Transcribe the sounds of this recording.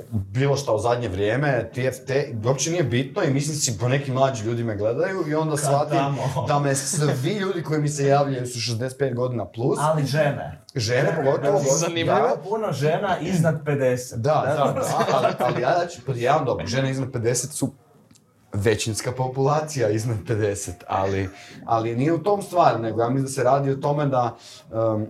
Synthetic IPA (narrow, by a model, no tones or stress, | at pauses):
biːlˠo̞ʃt̪auzad̪ɲe̞ʋɾjeːme̞t̪ieft̪eop̚t͡ʃenijebit̪noimislind̪sipone̞kimːlˠaːd͡ʒimʎuːd̪imeɡle̞d̪ajuio̞nd̪asʋat̪id̪amesʋiʎuːd̪iko̞jimise̞jaːʋʎajusuʃ̬ezd̪set̪̚peːt̪̚ɡo̞d̪inaplˠusaliʒenḛ | ʒe̞nepoɡo̞t̪oʋoozanimmopunoʒenaʔiznad̪ped̪esed̪aaaalialijapjaʋamd̪o̞bɾoʒe̞neiznad̪̚pe̞d̪e̞set̪su | ʋe̞t͡ɕinskapo̞pulˠaːt̪sijaiznad̪̚pe̞d̪e̞set̪a̰lia̰linijeut̪o̞ːmst̪ʋaːɾune̞ɡojaːmislind̪seɾaːd̪iot̪o̞me̞d̪a | ə